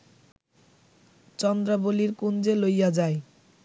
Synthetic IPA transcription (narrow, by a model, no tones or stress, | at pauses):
t͡ɕɔnd̪ɾaboliɾkund͡ʑelojad͡ʑae